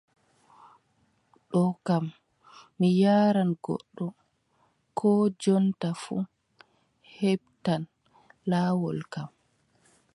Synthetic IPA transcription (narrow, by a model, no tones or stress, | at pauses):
ɗɔkamː | ijaːɾanɡɔ̰ɗːɔ | kʰɔːd͡ʒɔntafṵ | heb̚tan | laːwɔlkam